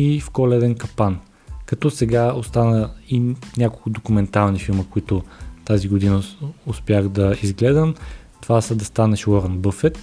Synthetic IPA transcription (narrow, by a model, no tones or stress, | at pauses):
ifkɔlɛd̪ɛnkɐpan | kɐt̪ɔsɛɡaost̪anəinʲakolˠkʊd̪okumɛnt̪alˠnifilˠməkʊit̪ʊt̪aziɡod̪inəospʲjaxd̪ɐizɡlɛd̪əm | t̪ovasəd̪ɐst̪anɛʃwɔɾənbɤfɛt̪